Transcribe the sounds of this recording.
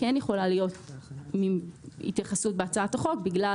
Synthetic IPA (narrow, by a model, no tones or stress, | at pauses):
kɛnjeχo̞lalijo̞tmiḭt̪jaχasut̚beat͡saataχo̞kbiɡla